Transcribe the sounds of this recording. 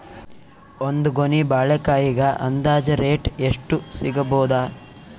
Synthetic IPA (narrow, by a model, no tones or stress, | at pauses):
ond̪uɡonibaːɭɛkaːjiɡɐʔɐnd̪aːd͡ʒɐɾeːʈeʂʈusiɡɐboːd̪aː